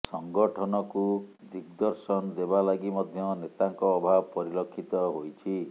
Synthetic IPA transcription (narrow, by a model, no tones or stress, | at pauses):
sɔŋɡɔʈʰɔnɔkud̪ik̚d̪ɔɾsɔnd̪ebalaɡimɔd̪ʱjɔnet̪aŋkɔːbʱabpɔɾilɔkʰːit̪ɔɦojt͡ʃʰi